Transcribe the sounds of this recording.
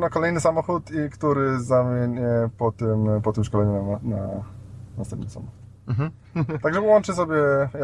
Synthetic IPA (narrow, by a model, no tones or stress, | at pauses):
nakɔlɛjnɘsamɔxut̪ikt̪uɾɘzamʲjeɲɛpɔt̪ɘmpɔt̪ɘmʂkɔlɛɲɔnana̰ | na̰st̪ɛmpnɘsa̰mɔxut̪̩ | t̪aɡʐɛpɔwɔnt͡ʂɘs̬ɔbʲjɛja